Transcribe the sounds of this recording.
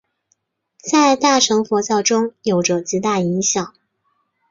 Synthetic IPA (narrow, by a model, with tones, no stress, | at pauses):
t͡sa˥˧ɪt̪a˥˩ʈ͡ʂʰɤ˧˥ŋfɔ˧˥t͡ɕjɑ˥˩ʊʈ͡ʂʊ˥ŋjo˨˩ʊʈ͡ʂɤ˧˩t͡ɕi˧˥t̪a˥˩i˧˥ŋɕjɑ˨˩˦ŋ